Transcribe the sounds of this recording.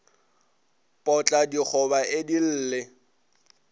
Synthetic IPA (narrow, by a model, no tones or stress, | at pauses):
pʼɔt͡ɬʼadik͡xʰɔbaɪdil̩ːlɪ